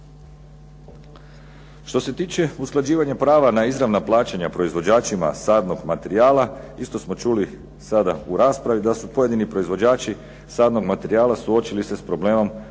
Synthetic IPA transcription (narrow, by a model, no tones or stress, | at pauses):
ʃt̪o̞se̞t̪iːt͡ʃe̞usklˠad͡ʑiːʋaɲapɾaːʋanaizɾaʋnaplˠaːt͡ʃeɲapɾo̞izʋo̞d͡ʑaːt͡ʃima̰saːd̪no̞ɡmat̪e̞ɾiaːlˠaist̪o̞smo̞t͡ʃuli | sad̪a̰uɾaːspɾaʋid̪asupoje̞d̪inipɾo̞izʋo̞d͡ʑaːt͡ʃi | saːd̪no̞ɡmat̪e̞ɾiaːlˠasuo̞t͡ʃilise̞spɾo̞ble̞ːmo̞m